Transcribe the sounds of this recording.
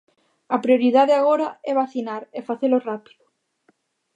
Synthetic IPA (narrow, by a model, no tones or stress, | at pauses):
ɐpɾioɾiðaðeaɣoɾaɛβaθinaɾefaθelorapi̥ðʊ